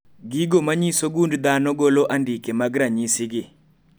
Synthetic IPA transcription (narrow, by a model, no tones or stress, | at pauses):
ɡiɡomaɲisoɡundd̪anɔɡoloʔandikemaɡɾaɲisɪɡɪ